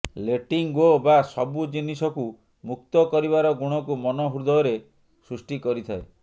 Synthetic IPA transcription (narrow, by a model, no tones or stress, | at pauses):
leʈiŋɡobasɔbud͡ʒinisɔku | muk̚t̪ɔkɔɾiβaɾɔɡuɽ̃ɔkumɔnɔɦuɾd̪ɔːɾe | sɾusʈikɔɾit̪ʰae